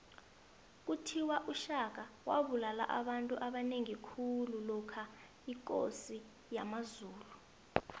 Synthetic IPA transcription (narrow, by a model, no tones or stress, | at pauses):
k̬utʰiwaʔuʃak̬awa̰ɓulala̰ʔa̰ɓantʼuʔaɓaneŋikʰululɔkʰa | ikʼo̰si | jamazuːlu